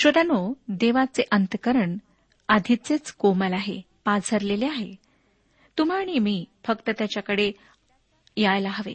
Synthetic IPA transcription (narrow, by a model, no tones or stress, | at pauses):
ɕʋəd̪anod̪eʋat͡seʔənt̪əkəɾəɳ | ad̪ʱit͡set͡skoməlaɦe | pad͡zʱəɾleleaɦe | t̪um̤aɽ̃imiːfəkt̪ət̪jat͡ɕjakəɽe | jajlaɦəʋḛ